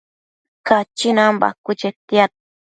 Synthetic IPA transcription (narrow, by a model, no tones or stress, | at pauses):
kat͡ʃinamba̰kʊt͡ʃet̪ijat̪̚